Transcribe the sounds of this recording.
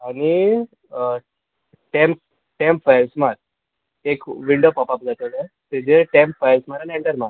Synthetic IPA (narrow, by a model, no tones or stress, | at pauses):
aɽni | ʈem | ʈempfajʋsmaɾ̚ | ekʋiɳɖopapapd͡zat̪əle | t̪ed͡ʑeʈɛmpfajʋsmaɾaneɳʈəɾma